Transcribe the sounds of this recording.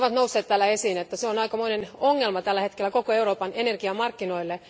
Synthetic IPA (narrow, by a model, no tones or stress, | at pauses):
ʋɑt̪nousːeːt̪t̪ælːæesiːnet̪ːæseonɑikɑmoinenoŋːelmɑt̪ælːæhet̪kelːækokoeuroːpɑnenerɡiɑmɑrkːinoilːe